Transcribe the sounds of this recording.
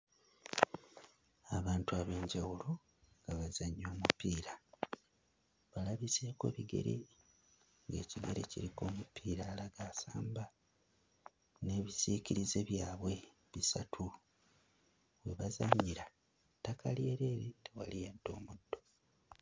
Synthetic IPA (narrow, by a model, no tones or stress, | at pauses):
aβaːntuaːβe̞ːɲɟawulo̞ | ŋɡaβazaɲːo̞ːmupiːɾa | βalaβise̞ːko̞̰ːβiɡe̞̰ɾḛ | ŋɡe̞̰ːciɡe̞̰ɾecḭɾiko̞ːmupʰiːɾaːlaɡaːsaːmba | ne̞ːβisiːciɾize̞βjaːβwe̞ | βisatʰu | βwe̞βazaɲːiɾa | takʰalije̞ɾe̞ːɾitewa̰lijeːnto̞ːmudːo̞